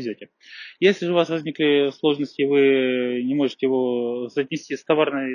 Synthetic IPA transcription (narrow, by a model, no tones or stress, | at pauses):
ɪzʲotʲɪ | jesʲlʲɪʐɨʊvasvɐzʲnʲiklʲɪslˠo̞ʐnəsʲtʲɪvɨnʲɪmo̞ʐɨtʲɪjɪvo̞sət̪ʲnʲɪsʲtʲist̪ɐvarnɨj